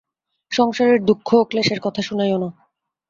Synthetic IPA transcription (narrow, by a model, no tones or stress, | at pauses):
ʃɔŋʃaɾeɾd̪ukʰːokleʃeɾkɔt̪ʰaʃunajona